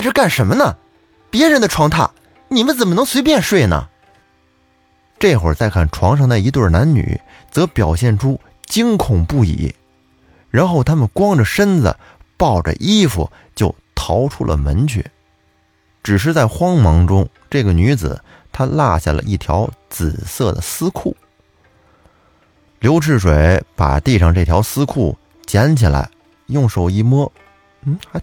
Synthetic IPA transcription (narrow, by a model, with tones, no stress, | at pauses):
ʈ͡ʂʰɻ̩˥˧ka˥˩nʂə˧˥nmə˧nə˨ | pjɛ˧˥ɻə˧˥nd̪ə˧ʈ͡ʂʰwɑ˧˥ŋt̪ʰa̰˥˩ | ni˨˩mə˦nt͡sə˨˩nmə˦nɤ˧˥ŋswe˧˥ɪpjɛ˥˧nʂwe˥˩ɪnə̰˩ | ʈ͡ʂe˥˩ɪxwə̰˞˨˩t͡sa˥˧ɪkʰa˥˩nʈ͡ʂʰwɑ˧˥ŋʂɑ˥˧ŋd̪ə˧i˧˥t̪wə˥˩na˧˥nny̰˨˩˦ | t͡sɤ˧˥pjɑ˨˩ʊɕjɛ˥˩nʈ͡ʂʰu˥ | t͡ɕi˥ŋkʰʊ˨˩ŋpu˥˩ḭ˨˩ | ɻa˧˥nxo˥˩ʊt̪ʰa˥mə˨nkwɑ˥ŋʈ͡ʂə˨˩ʂə˥nd͡zə̰˩ | pɑ˥˩ʊʈ͡ʂə̰˨ʔi˥fṵ˨˩ | t͡ɕjo˥˩ʊt̪ʰɑ˧˥ʊʈ͡ʂʰu˥lə̰˨mə˧˥nt͡ɕʰɥɛ̰˨˩˦ | ʈ͡ʂɻ̩˨˩ʂ̬ɻ̩˥˧t͡sa˥˩ɪxwɑ˥ŋmɑ˧˥ŋʈ͡ʂʊ˥ŋ | ʈ͡ʂɤ˥˩ɡə˩ny˧˥d͡zɹ̩̰˨˩ | t̪ʰa˥la̰˥˧ɕja̰˥˩lə̰˩ʔi˥˩t̪ʰjɑ˧˥ʊt͡sɹ̩˨˩sɤ˥˩d̪ə̰˩sɹ̩˥kʰu˥˩ | ljo˧˥ʊʈ͡ʂʰɻ̩˥˩ʂwe˨˩ɪpa̰˨˩t̪i˥˧ʂɑ˥˧ŋʈ͡ʂɤ˥˩t̪ʰjɑ˧˥ʊsɹ̩˥kʰu˥˩ | t͡ɕjɛ˧˥nt͡ɕʰi˨˩la̰˧˥ɪ | jʊ˥˩ŋʂo˨˩ʊi˧˩mwɔ˥ | n̩˥˩˥